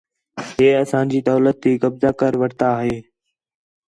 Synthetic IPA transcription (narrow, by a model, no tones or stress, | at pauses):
ɦeːəsãːd͡ʑiːd̪ɔːlət̪ːiːkəbzaːkəɾʋəɽt̪aːɦɦeː